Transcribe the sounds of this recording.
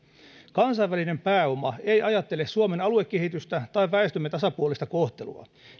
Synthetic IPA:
kɑnsɑjʋːæline̞mpæːo̞mɑe̞jʔɑjɑt̪ːe̞lessuome̞nɑlue̞kːe̞ɦit̪yst̪æt̪ɑiʋʋæest̪ymːet̪ɑsɑpuolist̪ɑko̞ht̪e̞lṵɑ̰

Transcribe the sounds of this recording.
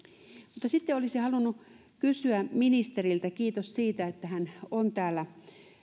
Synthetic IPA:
mut̪ːɑsit̪ːeolisihɑlunːu | kysyæminist̪erilt̪ækiːt̪ossiːt̪æet̪ːæhænont̪æːlːæ

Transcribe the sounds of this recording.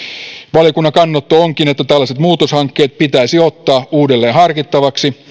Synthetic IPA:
ʋɑljokunːɑkɑnːot̪ːooŋkinet̪ːæt̪ælːæset̪muːt̪oshɑŋkːe̞ːt̪̚pit̪æisio̞t̪ːɑːuːdelːe̞ːnhɑrkit̪ːɑʋɑksi

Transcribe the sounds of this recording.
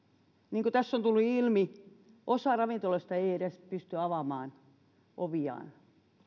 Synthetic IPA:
niːŋkot̪æsːont̪ulːuilmi | ʔosɑrɑʋint̪oloist̪ɑeieɾespyst̪yɑʋɑmɑːn | ʔoʋiɑ̰ːn

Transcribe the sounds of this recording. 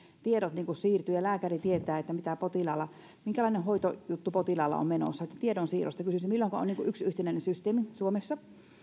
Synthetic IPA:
t̪iedot̪niːŋkussiːrt̪yjɑlæːkærit̪iet̪ˑæːet̪ːæmit̪æpot̪ilɑːˑlːɑ | miŋkælɑˑinehoit̪ojut̪ːupot̪ilɑːˑlːɑ̰o̰mmeno̰sːɑet̪ːæt̪iedonsiːro̰st̪ɑkysysimmilːoŋkɑʔo̰niːŋkuʔyksyht̪enæˑinensyst̪eːmisuomesːɑ

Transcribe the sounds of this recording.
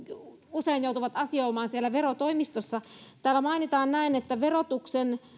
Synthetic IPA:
useinjout̪uʋɑt̪ɑsioimɑːnsielːæʋerot̪oimist̪osːɑt̪æːlːæmɑinit̪ɑːnnæinet̪ːæʋerot̪uksen

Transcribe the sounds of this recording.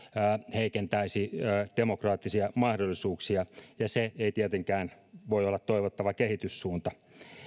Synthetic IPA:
heikent̪æisiːd̥emokrɑːt̪ːisiɑmɑhdolːisuːksiɑjɑseeit̪ieæt̪eŋkæːn | ʋoiolːɑt̪toiʋot̪ːɑʋɑkehit̪yssuːnt̪ɑ

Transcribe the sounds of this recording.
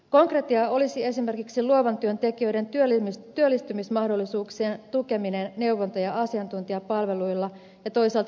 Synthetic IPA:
ko̞ŋkret̪iɑo̞lisie̞sime̞rkiksiluoʋɑnt̪yønt̪e̞kiø̞jde̞nt̪yølmt̪yølːist̪ymismɑhdo̞lːisuːksieːnt̪uke̞minenne̞wʋont̪ojɑɑsiɑnt̪unt̪iɑpɑlʋe̞lujlːɑ | jɑt̪o̞isɑːlt̪

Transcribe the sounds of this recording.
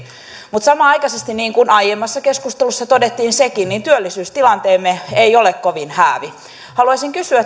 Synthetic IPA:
mut̪sɑmɑɑikɑsest̪inniːŋkunɑjemːɑsːɑkeskust̪elusːɑt̪odet̪ːiːnsekinnint̪yølːisyːst̪ilɑnt̪eːmːeeiolekkoʋinhæːʋi | hɑluɑsiŋkysyæ

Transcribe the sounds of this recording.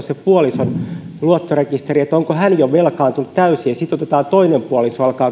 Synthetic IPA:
sepuolisonluot̪ːorekist̪eriet̪ːoŋkohænjoʋelkɑːnt̪unut̪t̪æysiːɑsit̪ot̪et̪ɑːnt̪oinempuolisoɑlkɑː

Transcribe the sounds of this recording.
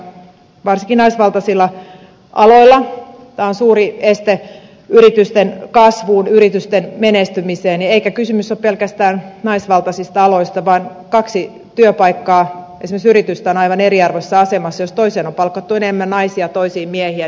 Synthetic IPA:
ʋɑrsiŋkinɑisʋɑlt̪ɑsilːɑ | ʔɑloilːˑɑ | t̪æːonsuːriest̪e | yɾit̪yst̪enkɑsʋuːnyrit̪yst̪enmenest̪ymiseːnieikækysymysːoppelkæst̪æːnnɑisʋɑlt̪ɑsist̪ɑɑloist̪ɑʋɑːn | kɑksi | t̪yøpɑikːɑː | esimeksyrit̪yst̪æonɑiʋɑneriɑrʋosːɑɑsemɑsːɑjost̪oiseːnompɑlkːɑt̪ːuenemːænnɑisiɑt̪oisiːmmiɛhiæ

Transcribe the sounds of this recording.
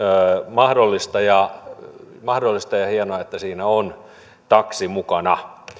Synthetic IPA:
mɑhdolːist̪ɑjɑ | mɑhdolːist̪ɑjɑhiɑnoɑet̪ːæsiːnæon | t̪ɑksimukɑnɑ

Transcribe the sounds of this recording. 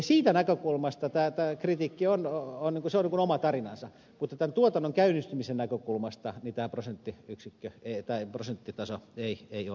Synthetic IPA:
ɑsiːt̪ænækøkulmɑst̪ɑt̪æːt̪æːkrit̪iːkːiononniːŋkuseoniːkunomɑt̪ɑrinɑnsɑ | mut̪ːɑt̪ænt̪uot̪ɑnːoŋkæynːist̪ymisennækøkulmɑst̪ɑnit̪æːprosent̪ːiyksikːøet̪æːprosent̪ːit̪ɑsoeieio̰

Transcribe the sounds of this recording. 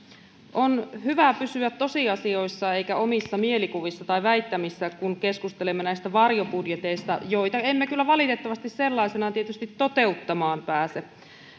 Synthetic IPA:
ʔonhyʋæpysyæt̪t̪o̞siɑsio̞isːɑe̞ikæomisːɑmie̞likuʋisːɑt̪ɑiʋæit̪ːæmisːækunkeskust̪elemːenæist̪æʋɑrjopudjet̪eist̪ɑ̰jo̞it̪ɑemːekylːæʋɑlit̪et̪ːɑʋɑst̪isselːɑisenɑt̪iet̪yst̪it̪tot̪e̞ut̪ːɑmɑːmpæːse

